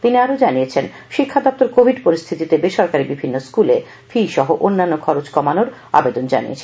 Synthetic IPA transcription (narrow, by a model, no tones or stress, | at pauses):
t̪iniaɾod͡ʑaniet͡ɕʰen | ʃikʰːad̪ɔp̚t̪oɾkobʱiɖpoɾist̪ʰit̪it̪ebeʃɔɾkaɾibibʱinːoskule | fiʃɔɦoʔonːanːokʰɔɾot͡ɕkɔmanoɾ | a̰bed̪ond͡ʑa̰nḭḛt͡ɕʰe